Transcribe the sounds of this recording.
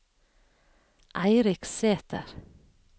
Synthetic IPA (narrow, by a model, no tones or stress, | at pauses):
ʔæɪɾɪkseːt̪ʰə̰ɾ